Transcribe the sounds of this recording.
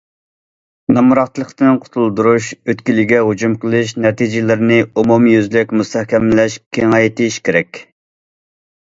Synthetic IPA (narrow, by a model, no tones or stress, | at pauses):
nɑmuɾɑqt̪lˠəqt̪ɨnqʰʊ̥t̪ʰulˠd̪uɾuʃøt̪kʲilɪɡʲɛɦud͡ʒumqʰəlˠɨʃnɛt̪ʰid͡ʒɪlɪɾnɪumumjyzlɪkʲmust̪ʰɛhkʲɛmlɛʃkʲʰeŋɑjt̪ʰɪʃkʲeɾɛkʲ